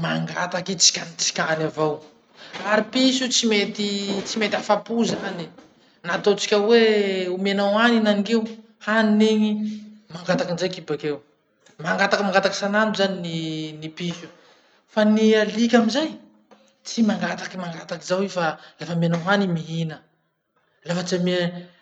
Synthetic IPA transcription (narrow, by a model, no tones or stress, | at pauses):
maŋɡat̪akit͡si̥kʲant͡si̥kʲanavow | aɾipisut͡simet̪it͡simet̪afapuzani | nat̪ot͡si̥kʲəweumenawaninaniŋew | hanineŋimaŋɡat̪akinzajkibakew | maŋɡat̪akəmaŋɡat̪akə̥sananuzanininipiʃu | fanialikʲamizaj | t͡simaŋɡat̪akimaŋɡat̪akizawifalafamenaanimiɦinə | lafat͡same